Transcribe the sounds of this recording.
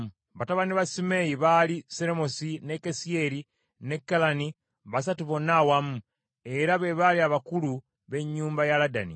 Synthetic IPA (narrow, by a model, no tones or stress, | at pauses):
βataβaniβasime̞jiβaliseɾemo̞sinekesie̞ɾi | ne̞kːalani | βas̬atuβo̞nawamu | e̞ɾaβe̞βaliaβakulu | βe̞ɲːuːmbajalada̰nḭ